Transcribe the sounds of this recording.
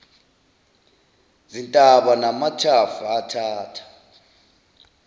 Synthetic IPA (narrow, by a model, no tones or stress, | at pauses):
zintʼaɓanamatʰafuatʰaːtʰḁ